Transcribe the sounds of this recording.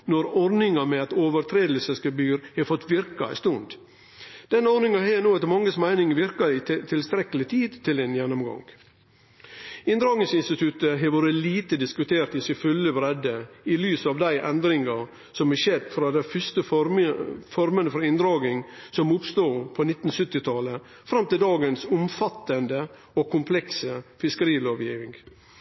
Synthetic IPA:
nɔɾɔɾnɪŋɑmɛɑt̪oːʋəɾt̪ʰɾeːd̪əl̩səsɡəbyːɾhɛfɔt̪ːʋɪɾkɑ̰ɛ̰st̪ʊnd̪ | d̪̥ɛnːəɔɾnɪŋɑɦeːnoːɑt̪mɑŋːəsmæɪnɪŋəʋɪɾkɑɪt̪t̪ʰɪlst̪ɾɛkəlɪt̪ʰiːd̪t̪ʰɪlɛnjɛnːɔmɡɑ̰ŋ | ɪnd̪ɾɑːɡnɪŋsɪnst̪ɪt̪ʰʉt̪əɦɛɾʋoːɾəliːt̪əd̪ɪskʉt̪ʰeːɾt̪ɪsɪfʉləbɾɛd̪əilyːsɑʋd̪æɪʔɛnd̪ɾɪŋɑ | sɔmhɛʃed̪fɾɑd̪æɪfʏst̪ə | fɔɾmənəfɔɾɪnd̪ɾɑːɡɪŋsɔmːuːt̪st̪uːpʰɔnɪt̪ːn̩sʏt̪ːɪt̪ʰɑlə | fɾɑmt̪ɪld̪ɑːɡənsʊmfɑt̪ːənd̪ə | ɔkʰʊmpʰlɛksəfɪskəɾiːloːʋjiːʋɪŋɡ

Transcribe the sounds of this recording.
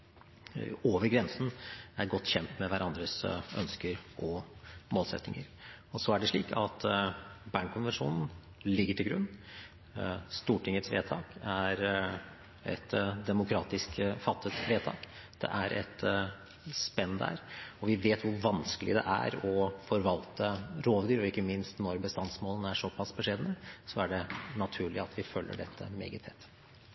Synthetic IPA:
oːʋəɾɡɾɛnsn̩æɾɡɔt̪ːçɛnt̪mɛʋæɾʔɑnd̪ɾəsœ̰nskəɾʔɔmoːlsɛ̰t̪nɪŋəɾ | ɔsɔæɖɛʂɭiːkʰɑt̪bæɳkʰʊnʋɛnʂṵːnn̩ | lɪɡːəʈʰɪlɡɾʉnː | st̪uːʈʰɪŋət̪sʋḛːt̪ʰɑːkæɾ | ɛ̰t̪d̪ɛmʊkʰɾɑːt̪ɪskfɑt̪ʰːət̪ʋeːt̪ʰɑ̰ːk | d̪̥ɛ̰ʔæɾʔɛ̰t̪ | spɛnːd̪æ̰ɾɔʋɪʋeːt̪ʋʊɾʋɑnskəlɪ̰d̪ɛ̰ʔæ̰ɾɔfɔɾʋɑlt̪əɾoːʋd̪yːɾɔɪkːəmɪnst̪nɔɾbəst̪ɑnsmoːlənæʂɔpʰɑsbəʂeːd̪ənəsɔæɖɛnɑt̪ʰʉːɭɪɑt̪ʰʋɪfœlːə̰ɖɛt̪ʰːə̰mḛːɡət̪ʰɛt̪ː

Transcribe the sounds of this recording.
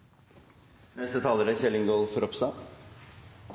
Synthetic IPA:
nɛst̪ət̪ʰɑːləɾæçɛlɪŋɡoːlfɔɾɔpst̪ɑː

